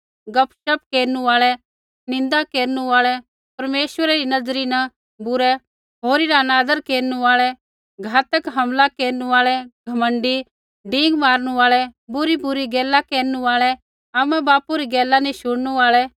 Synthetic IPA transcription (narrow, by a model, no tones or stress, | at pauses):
ɡɐpʰʃɐp̚keːɾnuaːɭɛ | nɪ̃n̆d̪akeːɾnuaːɭɛ | pɐɾmeːʃʋəɾaɾinɐd͡zɾinɐ | bʊɾɛ | ɦoːɾiɾanaːd̪əɾkeːɾnuaːɭɛ | ɡʱaːt̪əkɦɐmlakeːɾnuaːɭɛɡʱɐmə̃ɳɖi | ɖĩːŋɡmaːɾñuaːɭɛbʊɾibʊɾiɡɛːlːakeːɾnuaːɭɛ | aːmɛ̃baːpuɾiɡɛːlːanĩʃʊɽnuaːɭɛ